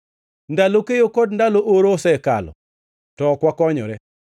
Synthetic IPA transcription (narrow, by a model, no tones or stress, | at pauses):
ndalokejokɔd̚ndaloʔoɾosɛka̰lɔ̰ | tɔkwakɔɲɔ̰ɾɛ